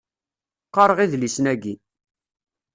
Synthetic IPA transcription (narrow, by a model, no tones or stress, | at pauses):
qːɑɾˤəʁiðlisnæɡi